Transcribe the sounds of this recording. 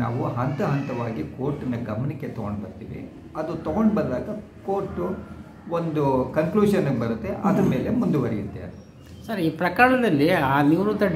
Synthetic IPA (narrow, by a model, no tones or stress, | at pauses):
a̰ːʋuɦɐnt̪ɐɦɐnt̪ɐʋaːɡikoːɾʈːinːɐɡɐmɐnikːet̪ɔɡoɳɖbɐɾt̪ḭːʋḭ | ɐd̪ut̪ɔɡoɳɖbɐɾd̪aːɡɐ | koːɾʈːu | ond̪ukɐŋkluːʃɐnːɐɡbɐɾut̪ːeʔɐd̪ɾɐme̞ːle̞mund̪uʋɐɾijut̪ːeɐ̰d̪ | sɐɾiːpɾɐkaːɭɐd̪ɐlːiaːniːɾut̪ɐ